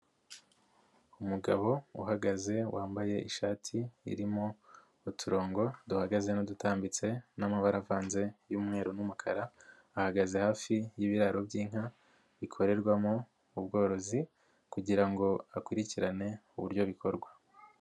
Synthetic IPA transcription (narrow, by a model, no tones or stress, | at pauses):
umuɡaβo̞ṵɦaɡaze̞waːmbaje̞ʔḭʃaːtʰḭːɾimo | utʰuɾo̞ːŋɡo̞duhaɡaze̞nodutaːmbit͡se̞namaβaɾavaːnze̞juːmŋe̞ːɾonumukʰaɾaː | haɡaze̞haːfijiβiɾaɾo̞bjiːŋ̥a | βikʰo̞ɾe̞ɾɡwamo | ub̚ɡo̞ːɾo̞zi | kuɟiɾaŋɡo̞akwuɾiciɾane̞uβuɾjo̞βikʰo̞ɾɡwa